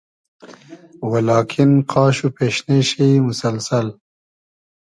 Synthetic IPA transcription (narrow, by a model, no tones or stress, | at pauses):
walɑːkʰinqʰɑːɕupeɕneʃejmʊsɐlsal